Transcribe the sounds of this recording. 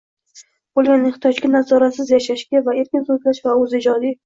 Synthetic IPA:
bolˠɡʲanːeht̪ʰjɒd͡ʒɡʲanazɒɾasɪzjaʃaʃkʲavae̞ɾkʲɪnsot̪laʃvaɵzɪd͡ʒɒd̪i

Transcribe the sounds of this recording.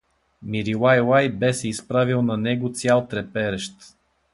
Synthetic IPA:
miɾilajlajbɛsɛispɾavilˠnɐnɛɡot̪sʲjalˠt̪ɾɛpɛɾɛʃt̪

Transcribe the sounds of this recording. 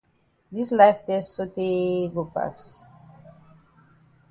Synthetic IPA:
d̪islajftessoteɡopa̰s

